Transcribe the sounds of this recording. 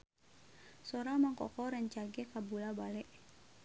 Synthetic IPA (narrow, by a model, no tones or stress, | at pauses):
soɾamaŋkɔ̰kɔɾəɲt͡ʃaɡɛkabulabalɛʔ